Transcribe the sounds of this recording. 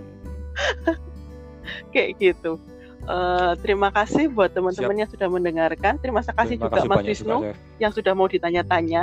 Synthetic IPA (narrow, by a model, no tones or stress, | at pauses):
kɛʔɡ̥it̪u | ʔəːt̪əɾimakasɪhbuat̪ːəmənt̪əmənjaŋsud̥ahməndəŋarkant̪əɾimasakasɪhd͡ʒuɡaʔmaswɪsnu | jaŋsudahmaud̥it̪aɲat̪aɲa